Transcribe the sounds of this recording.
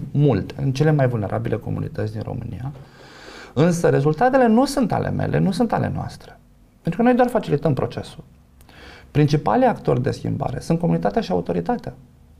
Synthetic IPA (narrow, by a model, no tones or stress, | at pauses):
mult̪eɨnt͡ʃe̞le̞majvulneɾʔabilʔe̞ko̞̰mṵnḭt̪ət̪sʲd̪inro̞̰mɨnija | ɨnsəɾe̞zult̪at̪ele̞nusunt̪a̰lʔe̞̰me̞̰lʔenusunt̪a̰le̞̰noa̰st̪ɾe̞ | pent̪ɾukənojd̪oarfat͡ʃilit̪əmpɾo̞t͡ʃe̞sul | pɾint͡ʃipa̰liakt̪o̞rʲd̪e̞skʲḭmba̰ɾe̞sunt̪̚ko̞munit̪at̪eaʃiaut̪o̞ɾit̪at̪ea